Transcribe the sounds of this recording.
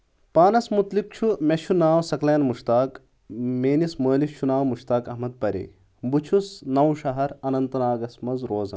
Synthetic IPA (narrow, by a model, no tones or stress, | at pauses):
paːnɐsmut̪lik̚t͡ʃʰumeʃʰunaːwsɐkleːnmuʃt̪aːk | meːnismoːlift͡ʃʰunaːwmuʃt̪aːkɐɦmɐd̪̚pɐɾḛː | but͡ʃʰusnɐwʃɐɦɐɾɐnɐnt̪ɐnaːɡɐsmɐnzɾoːzɐn